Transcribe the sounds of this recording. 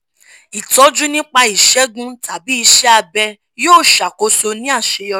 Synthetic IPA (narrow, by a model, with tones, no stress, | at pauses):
i˨tɔ˨˦d͡ʒu˦nĩ˦k͡pa˧i˨ʃɛ˨˦ɡũ˦ta˨bi˨˦i˧ʃɛ˦a˧bɛ˧ | joː˦˨ʃa˨ko˨˦so˧nĩ˦a˦˨ʃe˨˧jɔ˧